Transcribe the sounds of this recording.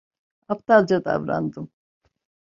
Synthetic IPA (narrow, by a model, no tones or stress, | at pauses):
apt̪ʰalˠd͡ʒad̪a̰vɾa̰nd̪ɯm